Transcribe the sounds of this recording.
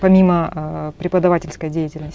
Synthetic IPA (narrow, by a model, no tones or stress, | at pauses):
pɐmʲiməpɾʲɪpəd̪ɐvatʲɪlʲskəjədʲejɪtʲɪlʲnəsʲ